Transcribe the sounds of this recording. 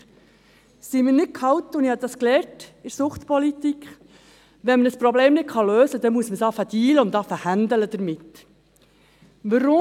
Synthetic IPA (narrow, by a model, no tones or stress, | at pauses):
simənɪt̚kʰɑwt̪ʊnihɑdɑsklɛːɾtɪɾsʊχt̪pɔlit̪ikχ | ʋɛnmənəspɾɔbleːmnɪt̚kʰɑløːsəd̥̪ɛmuəsməsɑfəd̥iːləʊnt̪ɑfəhænd̪ələd̥̪əɾmɪt̪ | ʋəɾʊ